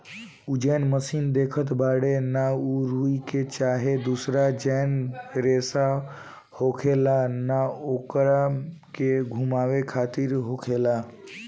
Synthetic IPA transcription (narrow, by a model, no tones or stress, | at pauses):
ud͡ʒɛnməsind̪ekʰət̪baɽenauɾuiket͡ʃaɦed̪usɾad͡ʒɛnɾesa | hokʰelanaokɾakeɡʱumawekʰat̪iɾɦokʰela